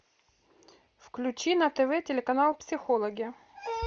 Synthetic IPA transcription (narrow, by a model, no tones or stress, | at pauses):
fklʲʉt͡ɕinɐt̪ɛvɛtʲɪlʲɪkɐnalˠpsʲɪxolˠəɡʲɪ